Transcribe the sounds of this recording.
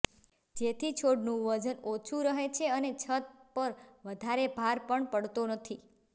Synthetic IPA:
d͡ʒet̪ʰit͡ʃʰoɽnũʋəd͡ʒənot͡ʃʰuɾəɦet͡ʃʰeənet͡ʃʰət̪̚pəɾʋəd̪ʱaɾebʱaɾpəɳpəɽt̪onət̪ʰi

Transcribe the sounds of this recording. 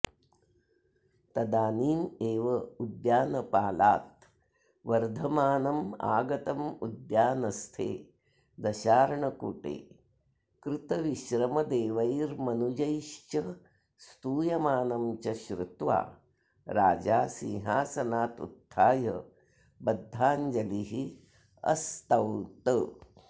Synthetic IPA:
t̪ɐd̪aːniːmeːʋɐud̪jaːnɐpaːlaːt̪ | ʋɐɾd̪ʱɐmaːnɐma̰ːɡɐt̪ɐmud̪jaːnɐst̪ʰḛː | d̪ɐʃaːɾɐɳɐkuʈḛː | kɾɪt̪ɐʋiʃɾɐmɐd̪eːʋɐjɾmɐnud͡ʒɐjʃt͡ʃɐ | st̪uːjɐmaːnɐmt͡ʃɐʃɾut̪ʋa̰ː | ɾaːd͡ʒaːsĩŋɦaːsɐnaːt̪ṵt̪ʰːaːjɐ | bɐd̪ʱːaːɲd͡ʒɐliɦi | ɐ̰st̪ɐwnt̪ə

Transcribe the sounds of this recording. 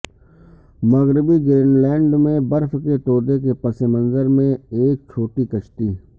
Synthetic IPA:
məɣɾɪbiɡɾeːnlɛ̃ːɳɖmẽbəɾfkeʈ̪oːd̪ekepəsemə̃nzəɾmẽeːk̚t͡ʃʰoːʈikəʃʈ̪iː

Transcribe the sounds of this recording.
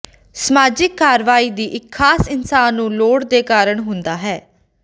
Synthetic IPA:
səmaːd͡ʒɪkːaːɾʋaːiːd̪iːʔɪkʰːaːsɪnsaːnːũːloːɽd̪eːkaːɾəɳɦʊnd̪aːɦɛː

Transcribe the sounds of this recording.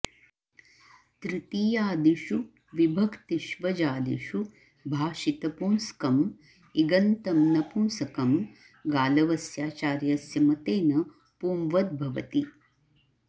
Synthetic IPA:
t̪ɾit̪iːjaːd̪iʃu | ʋibʱɐkt̪iʃʋɐd͡ʒaːd̪ḭʃu | bʱaːʃit̪ɐpuːnskɐm | iɡɐnt̪ɐmnɐpuːnsɐkɐm | ɡaːlɐʋɐsjaːt͡ʃaːɾjɐsjɐmɐt̪eːnɐ | puːmʋɐd̪̚bʱɐʋɐ̰t̪i

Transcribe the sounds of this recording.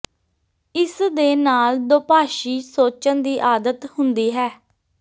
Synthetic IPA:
ɪsd̪eːnaːld̪oːpaːʃiːsoːt͡ʃənd̪iːʔaːd̪ət̪hʊnd̪iːɦɛː

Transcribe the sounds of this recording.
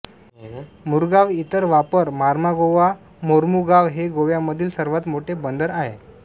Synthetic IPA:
muɾɡaʋit̪əɾʋapəɾmaɾmaɡoʋa | moɾmuɡaʋɦeɡoʋjaməd̪ʱiːlsəɾʋat̪moʈʰebənd̪əɾaɦe

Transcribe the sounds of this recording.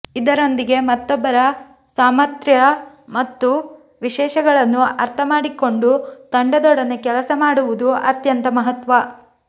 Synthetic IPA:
id̪ɐɾo̞nd̪iɡe̞mɐt̪ːɔbːɐɾɐ | saːmɐt̪ɾjɐ | mɐt̪ːu | ʋiʃɛːʃɐɡɐɭɐnːuɐɾt̪ʰɐmaːɽiko̞ɳɖut̪ɐɳɖɐd̪ɔɽɐnekɛlɐsɐmaːɽuʋud̪uʔɐt̪jɐnt̪ɐmɐɦɐt̪ʋɐ

